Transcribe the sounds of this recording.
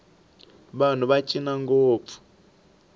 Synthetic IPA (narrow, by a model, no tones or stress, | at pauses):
βan̤uβat͡ʃʼinaŋɡoːp̪fu̥